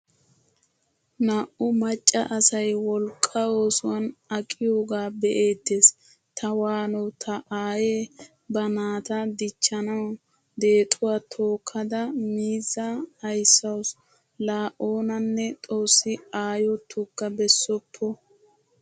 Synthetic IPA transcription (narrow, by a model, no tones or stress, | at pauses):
naːʔʊmɐt͡ʃʼːɐʔɐsɐjwɔlkʼːɐo̞ːsʊwɐnɐkʼɪjoːɡaːbɛʔe̞ːt̪ːeːs | t̪ʰɐwaːnɔwt̪ʰɐʔaːjeː | bɐnaːt̪ɐd̪ɪt͡ʃːɐnɐw | d̪e̞ːt̪ʼʊwaːt̪ʰo̞ːkʰːɐd̪ɐmiːzːɐhɐjsːɐws | laːʔo̞ːnɐnːɛt̪ʼo̞ːsːɪaːjɔt̪ʰːʊkːɐbɛsːɔpʰːɔ